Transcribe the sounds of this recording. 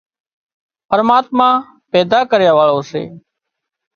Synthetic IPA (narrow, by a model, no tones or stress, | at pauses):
pəɾmaːt̪mãː | pɛːd̪aːkəɾjaːʋaːɭoːsḛː